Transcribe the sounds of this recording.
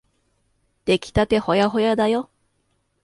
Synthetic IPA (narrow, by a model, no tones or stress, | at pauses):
d̪̥e̞kʲi̥t̪at̪e̞ho̞jaɦo̞jad̪ajo